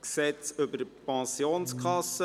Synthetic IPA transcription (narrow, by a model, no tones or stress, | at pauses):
ksɛt͡sʏbəɾəpɑ̃sioːnskχɑsə